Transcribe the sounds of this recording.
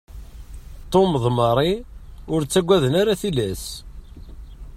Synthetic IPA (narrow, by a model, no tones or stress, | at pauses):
t̪ːomðˤməɾˤiʊɾt͡sːæɡʷæðənaɾaθilæs